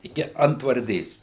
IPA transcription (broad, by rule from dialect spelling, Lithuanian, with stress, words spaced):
ɪˈkʲɪ ɐntʋɐrʲˈdʲeːs